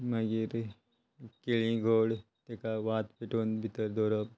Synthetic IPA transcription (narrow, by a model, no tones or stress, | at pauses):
mɐɡiɾ | kelĩɡʱoːɽ | t̪ekaʋaːt̪peʈoːnbʱit̪əɾd̪oːɾəb̚